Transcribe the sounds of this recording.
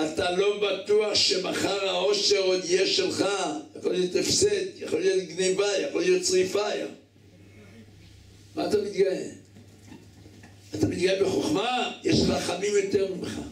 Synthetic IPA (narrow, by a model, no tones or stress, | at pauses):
atalo̞bat̪uaχʃemaχaʁao̞ʃe̞ʁo̞d̪ijeʃelχajaχolijo̞t̪efset̪jaχolijo̞t̪ɡnevajaχolijo̞tsʁifaja̰ | maːt̪amit̪ɡaje | at̪amit̪̚ɡajebeχoχmajeʃχaχamimjo̞t̪eʁmimeχa̰